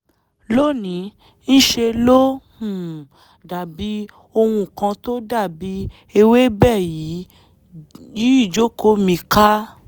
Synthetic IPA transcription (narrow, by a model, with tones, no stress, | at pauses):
lo˦˨nĩ˨˦ | ñ̩˦ʃe˧lo˦hũ˦˨ | da˨bi˨˦ | o˧wũ˧˨kã˧to˦da˦˨bi˨˦ | e˧we˦bɛ˦˨ji˨˦ | ji˨˦i˦˨d͡ʒo˨˦ko˧˦mĩ˧ka˦